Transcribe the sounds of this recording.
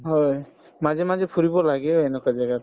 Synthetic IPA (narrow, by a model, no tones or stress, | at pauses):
ɦɔj | mazɛmazɛpʰuɹibɔlaɡɛɛnɛkazaɡat̚